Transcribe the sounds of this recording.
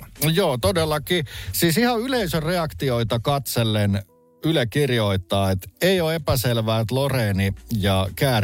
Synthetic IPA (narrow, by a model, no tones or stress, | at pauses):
joːt̪odelːɑkisiːsihɑyleisøreɑkt̪ioit̪ɑkɑt̪selːen | ylekirjoit̪ːɑːet̪eioepæselʋæːt̪loreːnijɑkæː